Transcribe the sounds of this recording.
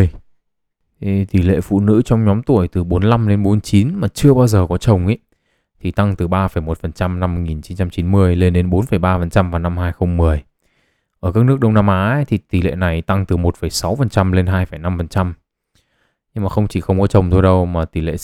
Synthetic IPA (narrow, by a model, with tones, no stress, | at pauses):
j | t̪i˧˩lḛ˧˨fṵ˧˨nɨ̰˧˥t͡ɕɔ˧wŋ͡mɲɔ˨˦mt̪u˧˩əjt̪ɨ˨˩ɓo˨˦nla˧mɗe˨˦nɓo˨˦nt͡ɕi˨˦nmaː˨˩t͡ɕɨ˧əɓaː˧wzəː˨˩kɔ˨˦t͡ɕə˨˩wŋ͡mʔi˨˦ | t̪ʰi˨˩t̪a˧ŋt̪ɨ˨˩ɓaː˧fə˧˩jmo˨˩t̚fə˨˩nt͡ɕa˧mna˧mːo˧ŋi˨˩nt͡ɕi˨˦nt͡ɕa˧mt͡ɕi˨˦nmɨ˧əjle˧nɗe˨˦nɓo˨˦nfə˧˩jɓaː˧fə˨˩nt͡ɕa˧mvaː˨˩na˧mhaː˧jxə˧wŋ͡mmɨ˨˩əj | ʔəː˧˩kaː˦˥k̚nɨ˦˥ək̚ɗə˧wŋ͡mna˧mʔaː˨˦t̪ʰi˨˩t̪i˧˩lḛ˧˨na˨˩jt̪a˧ŋt̪ɨ˨˩mo˨˩t̚fə˧˩jsa˨˦wfə˨˩nt͡ɕa˧mle˧nɦaː˧jfə˧˩jna˧mfə˨˩nt͡ɕa˧m | ɲɨ˧ŋmaː˨˩xə˧wŋ͡mt͡ɕi˧˩xə˧wŋ͡mkɔ˨˦t͡ɕə˨˩wŋ͡mt̪ʰo˧jɗə˧wmaː˨˩t̪i˧˩lḛ˧˨